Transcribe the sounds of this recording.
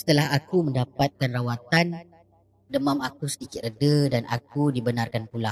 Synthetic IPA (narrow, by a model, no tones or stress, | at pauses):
sə̥t̪əlahakumə̃ndapat̪̚kanrawat̪an | dəmãmakusədikɪt̪̚rədədanʔa̰k̚udibənarkanpula